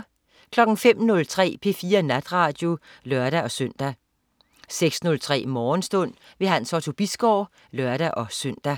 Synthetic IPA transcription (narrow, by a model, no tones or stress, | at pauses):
kʰlɒ̽ɡ̥n̩fem̰nɔ̽lt͡sʰʁɛ̰ːpʰe̝fiːɐnæd̥ʁɑ̈d̥jo̝lɶɐɾ̥æʔɒ̽søn̰d̥æ | seɡ̥snɔ̽lt͡sʰʁɛ̰ːmɒːnsd̥ɔ̽n̰ | ʋe̝ɦænsɒt͡sʰo̝b̥isɡ̥ɒʊ̰ | lɶɐɾ̥æʔɒ̽søn̰d̥æ